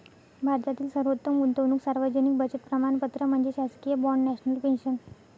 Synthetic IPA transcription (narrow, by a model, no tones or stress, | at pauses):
bʱaɾt̪at̪iːlsəɾʋot̪ːəmunt̪əʋnuːksaɾʋəd͡ʑənik̚bəd͡ʑət̪̚pɾəmaɳpət̪ɾəm̤əɳd͡zeɕaskijəbɔɳɖːɛɕnəlpenɕən